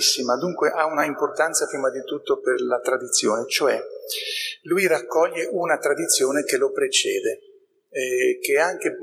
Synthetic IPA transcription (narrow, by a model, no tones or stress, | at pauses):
sːimad̪uŋkweʔaunaimport̪ant̪sapɾiːmad̪it̪ut̪ːoperlat̪ɾad̪it̪sːjoːnet͡ʃoɛ | lujrakːɔʎːeʔunat̪ɾad̪it̪sːjoːnekelopɾet͡ʃɛːd̪e | k̟eaŋk̟e